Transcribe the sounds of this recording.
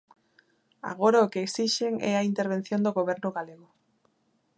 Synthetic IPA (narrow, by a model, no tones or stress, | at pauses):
a̰ɣ̞oɾaokeːksiʃeŋɛ̰aint̪eɾβ̞en̟θjõnd̪oɣoβɛɾnʊɣaleɣo